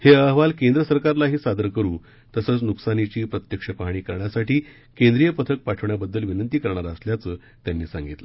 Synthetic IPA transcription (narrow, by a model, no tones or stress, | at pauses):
heəɦʋalkẽnd̪ɾəsəɾkaɾlaɦiːsad̪əɾkəɾũː | t̪əsəːt͡snuksanit͡ɕiːpɾət̪jəkʂəpaɦɳ̃iːkəɾɳjasaʈiː | kend̪ɾijəpət̪ʰək̚paʈʰəʋɳjabəd̪ːəlʋinənt̪iːkəɾɳaɾəsljat͡səː | t̪janːiːsãŋɡit̪lə